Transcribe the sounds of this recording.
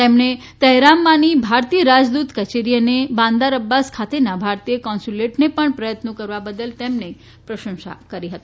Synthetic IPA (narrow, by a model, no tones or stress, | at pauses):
t̪emɳe | t̪əɦɾamːanibʱaɾt̪ijəɾad͡ʒd̪ut̪kət͡ʃeɾijənebãnd̪aɾəbːaskʰat̪enabʱaɾt̪ijəkɔ̃nsuleʈnepəɳpɾəjət̪nəkəɾʋabəd̪əlt̪emne | pɾəʃə̃ŋsa̰kəɾiɦət̪i